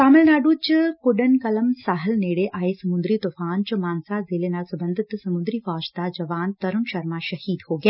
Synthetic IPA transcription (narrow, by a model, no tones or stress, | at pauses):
t̪aːmɐlnaːɖuːt͡ʃkoɖɐnkɐlɐmsaɦɐlneːɽeʔaːjesɐmund̪ɾit̪ofaːnt͡ʃɐmaːnsaːzeːlenaːlsɐbɐnd̪ʱɐt̪sɐmud̪ɾifaːʃt̪aːd͡ʒɐʋaːnt̪ɐɾunʃɐɾmaːʃɐhiːd̪hoːɡe